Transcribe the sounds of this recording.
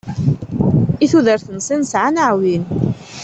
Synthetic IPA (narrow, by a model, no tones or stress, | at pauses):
iθuðəɾθənsinsʕanaʕwin